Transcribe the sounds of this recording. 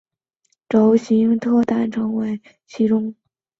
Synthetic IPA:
ʈ͡ʂo˧˥ʊɕi˧˥ŋt̪ʰɤ˥˧t̪a˥˩nʈ͡ʂʰɤ˧˥ŋwe˧˥ɪ | t͡ɕʰi˧˥ʈ͡ʂʊ˥ŋ

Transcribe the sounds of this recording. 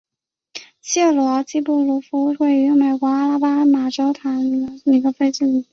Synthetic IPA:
ɕjɛ˥˩lwɔ˧˥t͡ɕi˥˧pu˥˩lu˧˥fu˧˥˧xwe˥˩ɪy˧˥me˨˩ɪkwɔ˧˥a˥la˥pa˥ma˨˩ʈ͡ʂo˥ʊt̪ʰa˧˥n˧˩˧ni˨˧˩ɡə˧˦fe˥ɪʈ͡ʂ̩˥˩y˨˩˦

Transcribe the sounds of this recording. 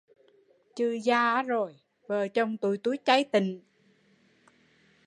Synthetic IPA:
t͡ɕɨ˧zaː˧˨˦zo˨˩j | vəː˨˩t͡ɕə˧wŋ͡mt̪u˧˨jt̪u˨˦jt͡ɕa˨˦jt̪ï˨ŋ̟

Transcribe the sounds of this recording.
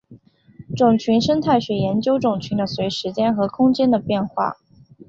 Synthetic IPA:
ʈ͡ʂʊ˨˩ŋt͡ɕʰy˧˥nʂə˥ŋt̪ʰa˥˩ɪɕɥɛ˨˩˥jɛ˧˥nt͡ɕjo˥ʊʈ͡ʂʊ˨˩ŋt͡ɕʰy˧˥nd̪ə˧swe˧˥ɪʂɻ̩˧˥t͡ɕjɛ˥nxɤ˧˥kʰʊ˥ŋt͡ɕjɛ˥nd̪ə˨pjɛ˥˧nxwa̰˥˩

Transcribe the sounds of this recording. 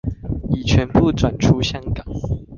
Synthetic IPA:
i˨˩t͡ɕʰɥɛ˧˦npu˥˨t͡swa˨˩nʈ͡ʂʰu˦ɕjɑ˦ŋkɑ˨˩˦ŋ

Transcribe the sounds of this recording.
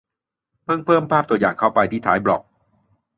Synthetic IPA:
pʰɤː˥˩ŋpʰɤː˥˩mpʰaː˥˩p̚t̪u˧ɐjaː˨˩ŋkʰa˥˩wpa˧jt̪ʰiː˥˩t̪ʰa̰ː˩˦jblɔ˨˩k̚

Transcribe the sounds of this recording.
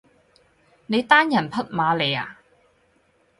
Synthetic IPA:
ne˨˧jt̪aː˥njɐ˨˩npʰɐ˥t̚maː˨˧le˨˧ja̰ː˨

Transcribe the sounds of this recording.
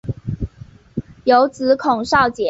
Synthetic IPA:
jo˧˥ʊt͡sɹ̩˧˥kʰʊ˨˩ŋʂɑ˥˩ʊt͡ɕjɛ˨˩˦

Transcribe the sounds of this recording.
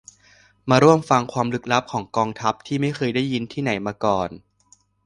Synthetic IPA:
maː˧ɾu˥˩əmfa˧ŋkʰwaː˧mlɯ˦˥k̚la˦˥p̚kʰɔː˩˦ŋkɔː˧ŋt̪ʰa˦˥p̚t̪ʰiː˥˩ma˥˩jxʰɤː˧jdaː˥˩jːi˧nt̪ʰiː˥˩na˩˦jmaː˧kɔː˨˩n

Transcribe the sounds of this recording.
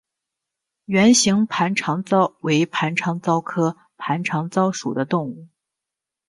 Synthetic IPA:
ɥɛ˧˥nɕi˧˥ŋpʰa˧˥nʈ͡ʂʰɑ˧˥ŋt͡sɑ˥˩ʊwe˧˥ɪpʰa˧˥nʈ͡ʂʰɑ˧˥ŋt͡sɑ˥ʊkʰɤ˥ | pʰa˧˥nʈ͡ʂʰɑ˧˥ŋt͡sɑ˥ʊʂṵ˨˩d̪ə˦t̪ʊ˥˧ŋu˥˩

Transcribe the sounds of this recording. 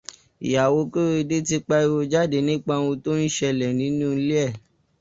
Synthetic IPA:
ḭ˨ja˨wo˧˦ke˦wo˦˧i˧de˦ti˦k͡pa˦i˦˧wo˧d͡ʒa˦˨de˨nĩ˦k͡pa˧wũ˧to˦n̩˦ʃɛ˧lɛ˨nĩ˨˦nũː˦˨˧le˦ɛ˦˨

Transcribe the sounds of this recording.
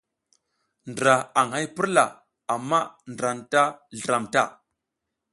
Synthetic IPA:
n˨dɾa˨a˨ŋha˦jpə˦ɾla˨ | a˨mːa˦ndɾa˨nta˦ɮə˨ɾa˨mta˦˨

